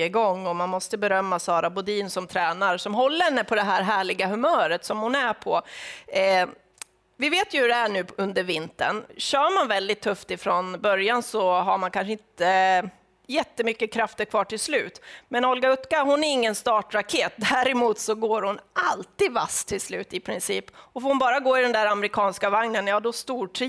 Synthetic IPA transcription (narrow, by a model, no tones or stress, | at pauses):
ɪɡɔŋːɔmanmɔst̪əbɛɾœmːasɑːɾabʊd̪iːnsɔmt̪ʰɾɛːnaɾsɔmɦɔlːəɛnːəpʰɔd̪ɛɦæːɾɦæːɭɪɡaɦɵmœːɾət̪sɔmhʊnæpʰɔ | vɪveːt̪jɵhɵɖɛæɳʉ̟ːɵnd̪əɾvɪnt̪ə̰nɕœːmanvɛld̪ɪt̪ʰːɵft̪ɪfɾɔnbœɾjansɔɦaɾmankʰanʂ̬əɪnt̪ə | jɛt̪ːəmʏkːəkʰɾaft̪əɾkʰvɑːʈʰɪlslʉ̟ːt̪mɛnɔlɡaɵt̪kaɦʊnæɾɪŋːənst̪ɑːʈɾakʰeːt̪̚d̪æɾɛmuːt̪sɔɡoːɾhʊnʔalt̪iːd̪va̰st̪ʰːɪlslʉ̟ːt̪ɪpʰɾɪnsiːpɔfoːɾhʊnbɑːɾaɡoːɪd̪ɛnd̪æːɾamɛɾɪkʰɑːnskavaŋnənjɑːd̪ɔst̪uːʈʰɾiː